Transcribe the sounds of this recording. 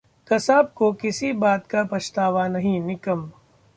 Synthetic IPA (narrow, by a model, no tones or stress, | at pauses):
kɐsaːb̚kokɪsibaːt̪kapɐʃt̪aːʋanɐɦĩnɪkəm